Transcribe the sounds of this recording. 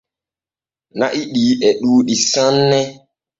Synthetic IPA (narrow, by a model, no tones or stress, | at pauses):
na̰ʔiɗiːʔɛɗuːɗisãnːɛ